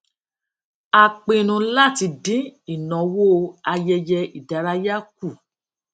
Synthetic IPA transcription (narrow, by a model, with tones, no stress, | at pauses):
a˧k͡pẽ˧nũ˧la˦˨ti˧dĩ˦i˨nɔ̃˨wo˦˨a˧jɛ˧jɛ˧i˨da˨ɾa˨˦ja˦k̚u˦˨